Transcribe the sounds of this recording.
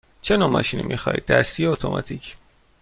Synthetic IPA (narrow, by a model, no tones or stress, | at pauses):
t͡ʃʰenɒːmɒ̰ʃinimʔixɒ̰ːjḭd̪̚ːæst̪ijeot̪ʰomʔɒ̰t̪ʰicʰ